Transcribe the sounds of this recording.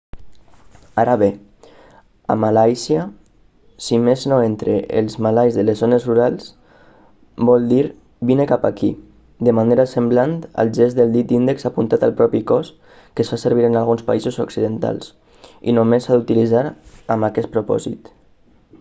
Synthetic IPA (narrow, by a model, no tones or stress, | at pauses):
aɾaβe | a̰malajsja | simeznoent̪ɾeʔelˠzmalajzðəlezzonezruɾalˠs | bɔlˠd̪iɾ | binekapaki | d̪əmaneɾasəmblant̪ə̰lˠʒɛzðəlˠd̪it̪ind̪əksapunt̪at̪alˠpɾɔpikɔs | kəsfasəɾβiɾənalɣunspa̰izuzoksiðənt̪a̰lˠs | ḭnomesːaðut̪ilizaɾəmakɛt̪̚pɾupɔ̰zḭt̪